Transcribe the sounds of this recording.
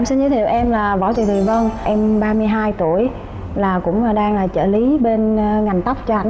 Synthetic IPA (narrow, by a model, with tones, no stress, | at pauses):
ʔɛ˧msi˧nzəː˧˦t̪ʰḭ˨˧˨əwʔɛ˧mlaː˨˩vɔ̰˧˩t̪i˨˩t̪ʰi˨˩və˧nʔɛ˧mɓaː˧mɨ˧əjɦaː˧jt̪u˧˩˨əj | laː˨˩kʊ̰˧˥ŋ͡mɗaː˧ŋlaː˨˩t͡ɕə̰ː˧˩li˨˦ɓe˧n˧ŋa˨˩jŋ̟t̪a˦˥wk͡p̚t͡ɕɔ˧ʔa˧˩